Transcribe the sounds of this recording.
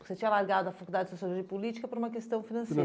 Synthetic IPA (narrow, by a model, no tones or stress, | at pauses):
set͡ʃĩɲɐlaɾɡad̪ʊɐfakuld̪ad͡ʒɪsosialoʒipulit͡ʃi̥kɐpoɾũmɐkest̪ɐ̃w̃finɐ̃se